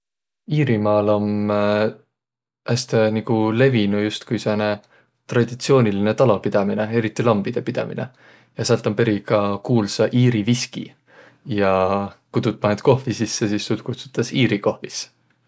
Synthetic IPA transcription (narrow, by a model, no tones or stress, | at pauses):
iːɾimɑːlo̞m | ʔæst̪eniɡule̞vinujust̪kujsene | t̪rɑd̪̥it̪sio̞ːnʲiline̞t̪ɑlo̞pid̪̥ɑmine̞e̞ɾit̪ːˑilɑmb̥id̪̥e̞pid̪̥ɑ̰mḭne̞̰ | jɑsælt̪ːˑompe̞ɾikɑkuːlsɑʔiːɾiviskḭ | jɑkud̪̥ut̪̚mɑɦet̪ko̞hvisisːesisːul̚kut̪su̥t̪ːˑɑsiːɾiko̞hvis